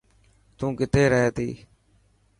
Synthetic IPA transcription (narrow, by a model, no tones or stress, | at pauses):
t̪ũːkɪt̪eːɾəɦeːt̪ḭː